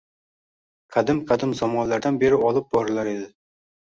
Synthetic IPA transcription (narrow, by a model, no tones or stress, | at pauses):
qʰæd̪ɪmqʰæd̪ɪmzɒmɒnlˠaɾd̪anbeɾɪɒlˠɨp̚bɒɾɨlˠaɾed̪ɪ